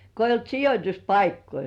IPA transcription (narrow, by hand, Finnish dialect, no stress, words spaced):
ko eijː olt sijotʲuspɑikːoi